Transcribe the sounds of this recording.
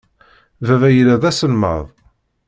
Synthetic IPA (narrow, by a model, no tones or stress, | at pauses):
vævæjəlæðæsəlmə̰ðˤ